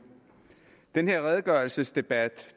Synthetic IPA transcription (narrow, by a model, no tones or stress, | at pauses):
d̥enhe̝ɐ̰ʁɛð̞ˠɡ̥ɶɐl̩səsd̥e̝b̥æd̥